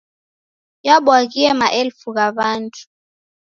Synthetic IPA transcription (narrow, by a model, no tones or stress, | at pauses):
jaɓwaɣiɛmaʔɛlfuɣaβantʰu̥